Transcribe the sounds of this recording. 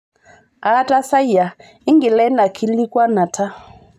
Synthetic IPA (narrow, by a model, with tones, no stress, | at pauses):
a˨˦ta˦sa˦i˦˨ja˨ | i˦ŋɡi˨lɛ˦na˨kʰi˦li˦kwa˦na˨tʰa˦